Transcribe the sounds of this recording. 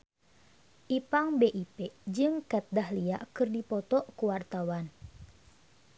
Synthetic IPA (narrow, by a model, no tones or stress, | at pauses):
ʔipaŋbeʔipɛd͡ʒɨŋkɛt̪̚dahlia̰ʔkɨrdipɔt̪ɔʔkuwart̪awan